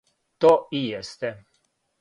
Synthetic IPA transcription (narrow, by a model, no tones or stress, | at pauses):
t̪oijɛst̪ɛ